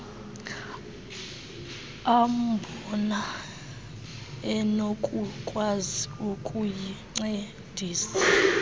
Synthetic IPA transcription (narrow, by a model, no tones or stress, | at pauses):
ambʱɔna | ɛnokʼukʼwaziukʼujiŋ͡ǀe | d̥ʱiːsa